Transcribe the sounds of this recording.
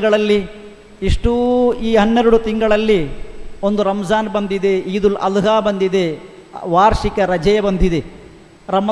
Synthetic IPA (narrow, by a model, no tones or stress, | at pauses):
ɡɐɭɐlːi | iʂʈuiːɦɐnːeɾuɽut̪iŋɡɐɭɐlːiond̪uɾɐmɐzaːnbɐnd̪id̪eiːd̪ulɐ̰lɦaːbɐnd̪id̪e | ʋaːɾʂikɐɾɐd͡ʒɐjɐbɐnd̪id̪e | ɾɐm